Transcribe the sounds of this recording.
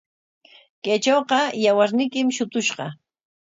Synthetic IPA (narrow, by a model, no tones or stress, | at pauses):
kajt͡ʃowqɑjawaɾnɪjkɪmʃʊt̪ʊʃɢɑ